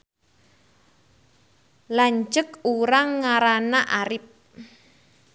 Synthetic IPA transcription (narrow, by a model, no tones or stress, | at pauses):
laɲt͡ʃəkuɾaŋːaɾanaʔaɾɪp̚